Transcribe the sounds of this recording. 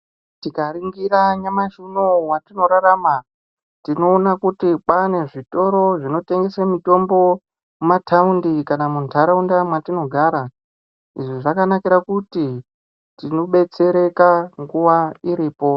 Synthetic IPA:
tikariŋɡiɾaɲamaʒunomwatino̞ɾaɾama | tino̞ːnakutipwane̞ʐito̞ɾo̞ʐino̞te̞ŋɡe̞samito̞mbo̞ | umatʰaundikanamuntʰaɾaundamwatino̞ɡʱaɾa | iʐiʐakanakiɾakuti | tino̞ɓe̞t͡se̞ɾe̞kaŋɡuʋaiɾiːpo̞

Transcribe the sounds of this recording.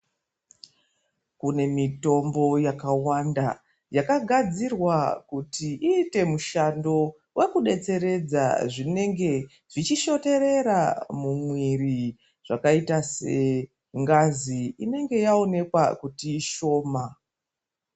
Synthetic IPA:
kune̞mito̞mbo̞jakawanda | jakaɡʱad͡zirwakutiiːte̞muʃando̞ | wʔe̞kuɗe̞t͡se̞ɾe̞d͡za̰ʐine̞ŋɡe̞ | ʐit͡ʃiʃo̞te̞ɾe̞ɾamumwiri | ʐ̥akaitase̞ | ŋɡaziine̞ŋɡe̞jao̞ne̞kwa̰kutiːʃo̞ːma

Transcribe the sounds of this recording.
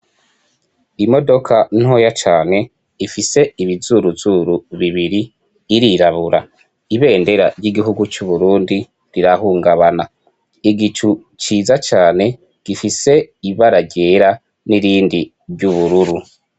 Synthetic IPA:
imo̞do̞kʰan̥ho̞ːjat͡ʃaːne̞ | ifise̞iβizuɾuzuɾuβiβiɾiː | ɾiɾaβuɾa | iβe̞ːnde̞ɾa̰ɾɟiɡiɦuɡut͡ʃuβuɾuːndi | ɾiɾahuːŋɡaβana | iɡit͡ʃu | t͡ʃiːzat͡ʃaːne̞ | ɡ̥ifise̞iβaɾaɟeːɾa | niɾiːndi | βɟuβuɾuɾu

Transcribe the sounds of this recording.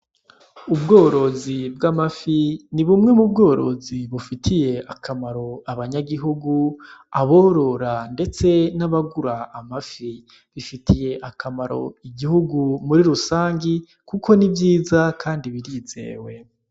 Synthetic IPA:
ubɡo̞ːɾo̞zibɡamafiniβumŋe̞mubɡo̞ːɾo̞ziβufitʰije̞ʔakʰamaɾo̞aβaɲaɡiɦuɡuaβoɾo̞ɾande̞t͡se̞naβaɡuɾaːmafi | βifitʰije̞ʔakʰamaɾo̞̰iɡihuɡumuɾiɾusaːɲɡi | kukʰo̞nivjiːzakʰaːndiβiɾiːze̞̰ːwe̞

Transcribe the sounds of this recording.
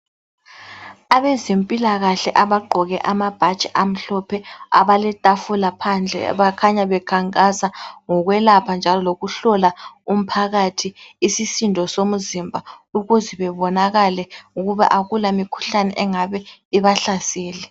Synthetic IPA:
aβɛzempʼilaɣaɬɛʔaβaɡ͡ǃʱɔɣɛʔamab̥ʱḁt͡ʃʼɛʔam̩ɬɔpʰɛa̰βalɛtʼafulapʰand͡ɮʱɛ̰βakʰaɲaβɛkʰaŋkʼasaŋɔɣwɛlapʰand͡ʒʱalɔloɣuɬɔlaum̩pʰaɣatʰiːsisindʱɔsomuzimbʱauɣuzɛβɛβɔnaɣalɛuɣuβa̰ʔaɣulamikʰu̥ɬanɛ̰ʔɛŋaβɛiβaɬasɛːlɛ

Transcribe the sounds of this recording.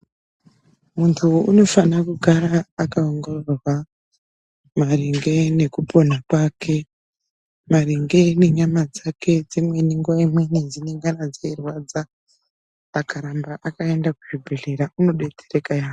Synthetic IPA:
muntʰuːno̞fanakuɡʱaɾaːkaoŋɡorrwa | mariŋɡe̞ne̞kupo̞nakwakʰe̞ | maɾiŋɡe̞ne̞ɲamad͡zake̞d͡zimwe̞niŋɡuwaimwenid͡zineŋɡanad͡zeirwad͡zaː | kaɾambaʔakae̞ndakuʐibʱe̞ɮe̞ɾauno̞ɗe̞tʰerekajaː

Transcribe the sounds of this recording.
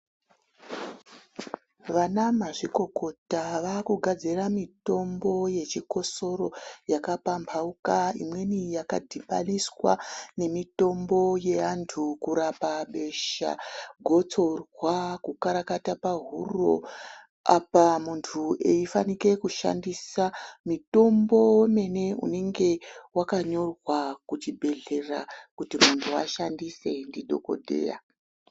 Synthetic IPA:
ʋanamaʐiko̞ko̞taʋakuɡʱad͡ziramito̞mbo̞je̞t͡ʃiko̞so̞ro̞jakapambʰʱaukaḭmwe̞nijaka̰dʱiɓaniswa̰ne̞mito̞mbo̞je̞antʰukuɾapaɓe̞ʃa̰ɡʱo̞t͡so̞rwakukaɾakatapaɦuro̞̰ | apamuntʰuʔeifanike̞kuʃa̰ndisamito̞mbo̞weme̞ne̞ṵne̞ŋɡe̞wakaɲo̞rwakut͡ʃibʱe̞ɮe̞rakutimuntʰua̰ʃandise̞ndido̞ko̞̰dʱe̞̰ːra̰

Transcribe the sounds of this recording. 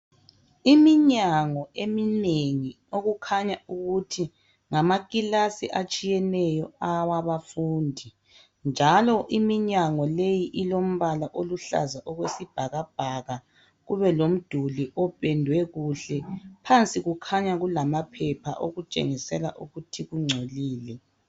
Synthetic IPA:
imiɲaŋɔemineŋi | oɣukʰaɲauɣutʰi | ŋamaɣʼilasiʔat͡ʃʼijɛnɛjɔawaβafuːndʱi | nd͡ʒʱalɔʔimiɲaŋɔlejiʔilom̩βalaʔoluɬa̰zaʔɔɣwesib̥ʱaɣab̥̚ʱaɣa | ɣuβɛlom̩d̥ʱuliʔɔpʰʼɛndʱwɛɣuɬɛpʰant͡sʼiɣukʰaɲaɣulamapʰɛpʰa̰ʔo̰ɣut͡ʃʼḛŋisɛla̰ʔuɣutʰiɣuŋ͡ǀʱoliːlɛ

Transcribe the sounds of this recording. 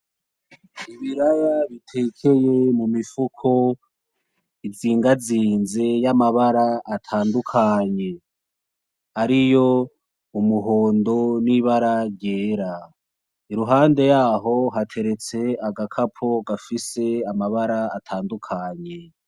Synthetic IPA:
iβiɾajaβitʰe̞kʰe̞je̞mumifukʰo̞ | iziːŋɡaziːnze̞jamaβaɾaːtʰaːndukʰaɲe̞ | aɾijo̞ | umuɦo̞ːndo̞niβaɾaɾɟeːɾa | iɾuɦaːnde̞jaːɦo̞ɦatʰe̞ɾe̞t͡se̞aɡakʰapʰo̞ɡafise̞amaβaɾaːtʰaːndukʰaɲe̞

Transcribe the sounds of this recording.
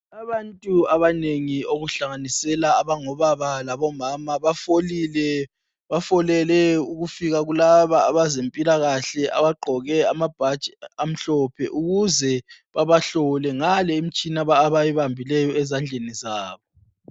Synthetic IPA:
aβantʼuaβaneŋioɣuɬaŋanisɛlaːβaŋɔβaβalaβɔmaːmaβafolilɛ | βafɔlɛlɛuɣufiɣaɣulaβaːβazempʼilaɣaɬɛʔa̰βaɡ͡ǃʱɔɣɛamab̥ʱḁt͡ʃʼam̩ɬɔpʰɛʔuɣuzɛβaβaɬɔlɛŋalɛem̩t͡ʃʼinaβaːβajɛβambʱilɛjɔɛzand͡ɮʱenizaːβɔ

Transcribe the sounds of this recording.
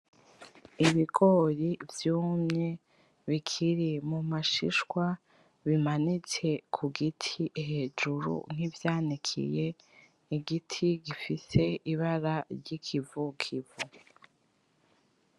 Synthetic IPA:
iβiɡo̞ɾivjuːmɲe̞ | βikʰiɾimumaʃḭʃwa | βimanit͡se̞kʰuɡitʰiɦe̞ːd͡ʒuɾṵn̥ivjaːnikʰḭje̞ | iɡitʰiɡifise̞ʔiβaɾaɾɟikʰivukʰivu

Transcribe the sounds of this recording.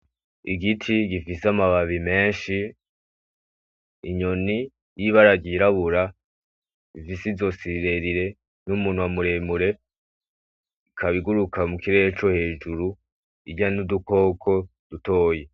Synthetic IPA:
iɡitʰiɡifisamaβaβime̞ːnʃi | ɲoni | jiβaɾaɡɟiɾaβuɾa | ifisizo̞siɾe̞ɾiɾe̞ | numuːn̥uwamuɾe̞muɾe̞ | kʰaβiɡuɾukamukiɾeet͡ʃo̞he̞ːd͡ʒuɾu | iɡɟanuduko̞ːkʰo̞ | d̥uto̞ːje̞

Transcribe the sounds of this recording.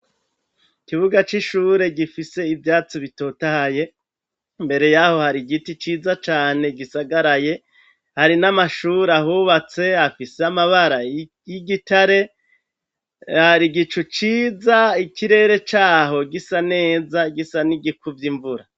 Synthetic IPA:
ikiβuɡat͡ʃiʃuːɾe̞ɡifise̞ivjaːt͡siβito̞tahaje̞ | mbe̞ɾe̞jaho̞haɾiɡitit͡ʃiːzat͡ʃaːne̞ɡisaɡaɾaje̞ | haɾinamaʃuɾahuβat͡se̞afiseamaβaɾa | jiɡitaɾe̞ | haɾiɡit͡ʃut͡ʃiːzaikiɾe̞ɾe̞t͡ʃaːɦo̞ɡisane̞ːzaɡisaniɡikuvjiɱvuɾa

